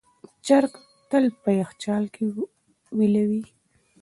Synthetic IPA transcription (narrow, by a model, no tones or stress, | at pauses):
t͡ʃaɾk | t̪əlpəjaxt͡ʃɑlkʰe | wilawi